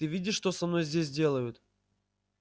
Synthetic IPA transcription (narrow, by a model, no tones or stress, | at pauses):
ɨvʲidʲɪʂʂt̪osɐmno̞jzʲdʲesʲdʲe̞lˠəjʊt̪